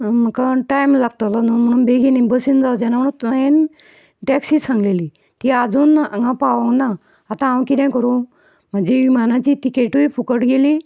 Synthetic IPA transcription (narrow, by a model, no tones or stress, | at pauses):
m̤əkaʈajmlaɡ̚t̪əlanum̤əɽ̃uːnbeɡinĩbəsind͡zawd͡ʑanaməɽunt̪aẽn | ʈɛksiːsãŋɡleliː | t̪iːad͡zuːna̰ŋɡãpaʋə̃ŋɡnaː | t̪ããwkit̪ãjkəɾu | m̤əd͡ʑeʋimanãt͡ɕiːt̪ikeʈuipʰukəʈɡeli